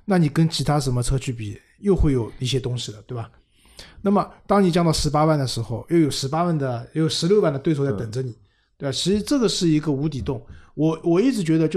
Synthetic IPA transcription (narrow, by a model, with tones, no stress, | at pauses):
na˥˩ni˨˩kə˥nt͡ɕʰi˧˥t̪ʰa˥ʂə˧˥nmə˧ʈ͡ʂʰɤ˥t͡ɕʰy˥˩p̬ḭ˨˩ | jo˥˧ʊxwe˥˩ɪjo˨˩ʊi˥˩ɕjɛ˥t̪ʊ˥ŋɕi˥˩d̪ə˩t̪we˥˩ɪba˨˩ | na˥˩mə˩t̪ɑ˥ŋni˨˩t͡ɕjɑ˥˧ŋt̪ɑ˥˩ʊʂɻ̩˧˥pa˥wa˥˩nd̪ə˩ʂɻ̩˧˥xo˧ʊjo˥˩ʊjo˨˩ʊʂɻ̩˧˥pa˥wa˥˩nd̪ə˩˥jo˨˩ʊʂɻ̩˧˥ljo˥˧ʊwa˥˩nd̪ət̪we˥˧ɪ˥˧t͡st̪ə˨˩ŋʈ͡ʂə˦˥ni˨˩˦ | t̪we˥˩ba˨˩t͡ɕʰi˧˥ʂɻ̩˧˥ʈ͡ʂɤ˥˩ɡə˩ʂɻ̩˥˩i˧˥ɡə˧u˧˥t̪i˨˩t̪ʊ˥˩ŋwɔ˨˩wɔ˨˩i˥˩ʈ͡ʂɻ̩˧˥t͡ɕɥɛ˧˥d̪ə˧t͡ɕjo˥˧˩